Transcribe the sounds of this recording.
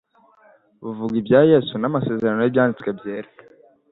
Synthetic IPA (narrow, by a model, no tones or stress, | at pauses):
βuvuɡibjaːje̞ːsunamase̞ːze̞ɾano̞jibjaːndit͡skwe̞bje̞ːɾe